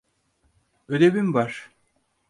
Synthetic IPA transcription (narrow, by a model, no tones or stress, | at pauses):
ød̪ebimvaɾ̥